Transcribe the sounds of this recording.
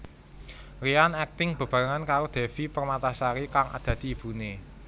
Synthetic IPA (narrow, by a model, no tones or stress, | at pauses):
rianɛk̚t̪ɪŋb̥ə̤b̥a̤ŋankaɾod̪̥e̤fipərmat̪asaɾikaŋa̰d̪̥ä̤d̪̥i̤ːb̥ṳne